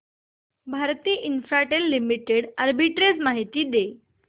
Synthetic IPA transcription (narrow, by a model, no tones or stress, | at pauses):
bʱaɾt̪iːʔinfɾaʈelːimiʈeɽəɾbiʈɾesmaɦit̪iːd̪e